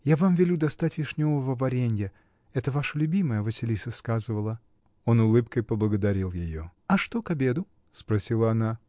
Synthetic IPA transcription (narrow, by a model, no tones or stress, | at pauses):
javamvʲɪlʲud̪ɐst̪atʲvʲɪʂnʲo̞vəvəvɐɾʲenʲɡʲɪ | ɛt̪əvaʂəlʲʊbʲiməjəvəsʲɪlʲisəskazɨvəlˠə | o̞nʊlˠɨpkəjpəblˠəɡəd̪ɐɾʲilˠjɪjo̞̰ɐʂt̪o̞kɐbʲe̞d̪ʊ | spɾɐsʲilˠəɐna